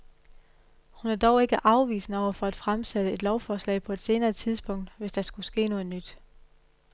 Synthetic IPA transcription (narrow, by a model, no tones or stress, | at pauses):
hunæɐd̥ɒʊe̝ɡ̥əʔɑ̈ʊʋḭːsn̩əɒʊ̰ɐfɒ̽æd̥fʁamsæd̥əe̝d̥lɒʊfɒːslɛ̰ɪpʰɒ̽e̝d̥se̝ːnɐːt͡sʰið̞ˠsb̥ɔ̽ŋ̰d̥ʋe̝sd̥ɑ̈sɡ̥usɡ̥e̝̰ːno̽ːð̩ˠnyd̥